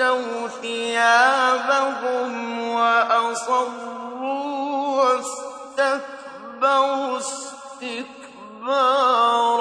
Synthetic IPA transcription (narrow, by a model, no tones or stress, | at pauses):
awθɪjaːbakʊmwaʔasˤɑruwast̪ak | baɾʊs | t̪ɪk | baːɾ